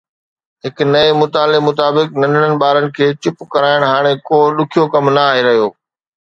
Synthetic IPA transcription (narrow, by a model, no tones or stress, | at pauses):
ɦɪknɐemʊt̪aːlemʊt̪aːbɪknɐ̃nəɽənɪ̆ɓaːɾənɪ̆kʰeːt͡ɕɪpkɐɾaːɪɽ̃ɦaːɽ̃ekoːɗʊkʰijokɐmnɐaːɦeɾɐɦijoː